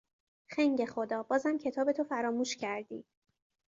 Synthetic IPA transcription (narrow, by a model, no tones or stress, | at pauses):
xæŋɟe̞xo̞d̪ɒːbɒːzhæmcʰe̞t̪ʰɒːbe̞t̪ʰofæɾɒːmuːʃcʰæɾd̪ḭːd̪̥